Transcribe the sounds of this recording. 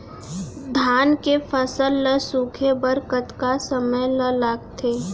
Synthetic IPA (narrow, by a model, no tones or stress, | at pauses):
d̪ʱaːnkepʰəsəlːəsuːkʰebəɾkət̪kasəməjləlaːɡt̪ʰeː